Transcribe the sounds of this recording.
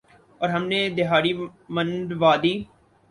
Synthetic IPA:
ɔːɾɦɐmned̪ɪɦaːɾimə̃nɖʋaːd̪iː

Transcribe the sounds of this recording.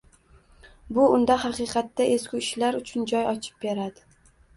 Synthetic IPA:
bʊʊnd̪aɦɑqɨːqɑt̪ːaʔe̞skʲʊɪʃlaɾʊt͡ʃʰʊnd͡ʒɒjɒt͡ʃʰɪ̥p̚be̞ɾad̪ɪ

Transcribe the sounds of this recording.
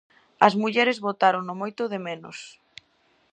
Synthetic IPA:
ɐzmuʎɛɾezβot̪aɾoŋnʊmojt̪ʊðɪmenʊ̰s

